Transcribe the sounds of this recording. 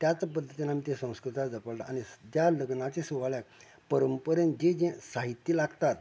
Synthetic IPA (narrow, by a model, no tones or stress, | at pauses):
t̪jat͡spəd̪ʱːət̪inamit̪ẽsə̃w̃skɾut̪ʰad͡zəpəɭt̪a̰añid͡ʑ̪jaləɡnat͡ɕesuʋaɭjak̚ | pəɾəmpəɾənd͡ʑed͡ʑẽsaɦit̪jilaɡt̪at̪